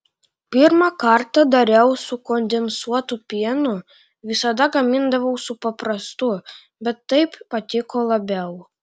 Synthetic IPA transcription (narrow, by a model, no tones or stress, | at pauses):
pʲɪɾmɐkɐɾt̪ɐd̪ɐɾʲɛʊsʊkɔnʲd̪ʲɛnsuɔt̪ʊpʲiɛnʊ | ʋʲɪsɐd̪ɐɡɐmʲɪnd̪ɐʋɐʊsʊpɐpɾɐst̪ʊ | bʲɛt̪ːɐɪppɐt̪ʲɪkoːlˠɐbʲɛʊ